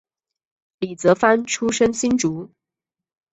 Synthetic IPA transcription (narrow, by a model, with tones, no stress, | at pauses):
li˨˩t͡sɤ˧˥fa˥nʈ͡ʂʰu˥ʂə˥ŋɕi˥nʈ͡ʂu˧˥